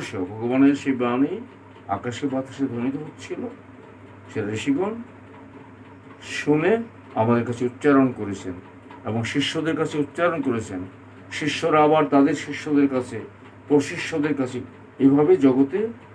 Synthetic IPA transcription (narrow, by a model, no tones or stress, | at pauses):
ʃobʱɔɡobaneɾʃebani | a̰kaʃebat̪ḁʃeɾd̪ʱonit̪oɦotːt͡ɕʰilo | ʃeɾaɾeʃiɡon | ʃune | amad̪eɾkat͡ɕʰeut̪ːɕaɾonkoɾet͡ɕʰen | eboŋʃiʃːod̪eɾkat͡ɕʰeut̪ːɕaɾonkoɾet͡ɕʰen | ʃiʃːoɾaabaɾt̪ad̪eɾʃiʃːod̪eɾkat͡ɕʰe | pɾoʃiʃːod̪eɾkat͡ɕʰe | ebʱabed͡ʑɔɡot̪e